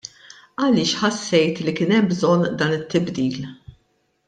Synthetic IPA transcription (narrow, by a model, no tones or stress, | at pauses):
ɐlɪːʃħɐsːɛjt̪likɪːnɛmbzɔnːd̪ɐːnɪt̪ːɪbd̪iːl